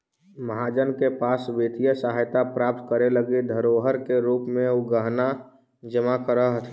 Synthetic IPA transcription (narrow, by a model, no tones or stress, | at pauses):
məɦad͡ʒənkepaːsbeːt̪ʰijəsəɦajt̪apɾaːp̚t̪kəɾeləɡid̪ʱəɾoːɦəɾkeɾuːpmẽʊɡəɦna | d͡ʒəmakəɾəɦt̪ʰ